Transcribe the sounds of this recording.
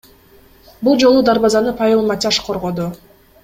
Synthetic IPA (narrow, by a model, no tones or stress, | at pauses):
bulˠd͡ʒo̞lˠud̪aɾβɑzɑnɯpʰɑjilˠmatʲaʃqʰo̞ɾʁo̞d̪u